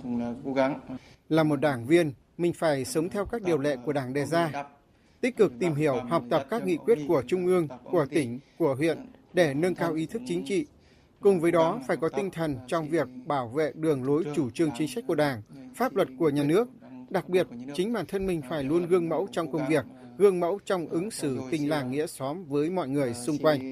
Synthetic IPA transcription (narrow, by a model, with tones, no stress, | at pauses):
laː˨˩mo˨˩t̚ɗaː˧˩ŋvi˧ən | mï˨˩ŋ̟faː˧˩jsə˨˦wŋ͡mt̪ʰɛ˧wkaː˦˥k̚ɗi˨˩əwlɛ̰˧˨ku˧˩əɗaː˧˩ŋɗɛ˨˩zaː˧ | t̪ï˦˥k̟̚kɨ˨˩k̚t̪i˨˩mɦi˧˩əwhɔ˨˩wk͡p̚t̪ə˨˩p̚kaː˦˥k̚ŋḭ˧˨kwi˦˥ət̚ku˧˩ət͡ɕʊ˧ŋ͡mʔɨ˧əŋku˧˩ət̪ï˧˩ŋ̟ku˧˩əɦwḭ˧˨ənɗe˧˩nə˧nkaː˧wʔi˨˦t̪ʰɨ˦˥k̚t͡ɕï˨˦ŋ̟t͡ɕḭ˧˨ | kʊ˨˩ŋ͡mvəː˨˦jɗɔ˨˦faː˧˩jkɔ˨˦t̪ï˧ŋ̟t̪ʰə˨˩nt͡ɕɔ˧wŋ͡mvi˨˩ək̚ɓaː˧˩wvḛ˧˨ɗɨ˨˩əŋlo˨˦jt͡ɕu˧˩t͡ɕɨ˧əŋt͡ɕï˨˦ŋ̟sa˦˥k̟̚ku˧˩ə˨ɗaː˧˩ŋfaː˦˥p̚lwə˨˩t̚ku˧˩əɲaː˨˩nɨ˦˥ək̚ | ɗa˨˩k̚ɓi˨˩ət̚t͡ɕï˨˦ŋɓaː˧˩nt̪ʰə˧nmï˧˩ŋ̟faː˧˩jlu˧ənɣɨ˧əŋmə̰˧˥wt͡ɕɔ˧wŋ͡mkə˧wŋ͡mvi˨˩ək̚ | ɣɨ˧əŋmə̰˧˥wt͡ɕɔ˧wŋ͡mʔɨ˨˦ŋsɨ˧˩t̪ï˨˩ŋ̟laː˨˩ŋŋḭ˧˥əsɔ˨˦mvəː˨˦jmɔ̰˧˨jŋɨ˨˩əjsʊ˧ŋ͡mkwa˧jŋ̟